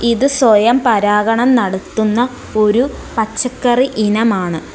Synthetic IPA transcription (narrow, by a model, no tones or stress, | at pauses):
iðɨswojɐmpɐɾaːɡɐɳɐmnɐɽɐt̪ːunːɐ | o̞ɾupɐt͡ɕːɐkːɐriʔinɐmaːɳɨ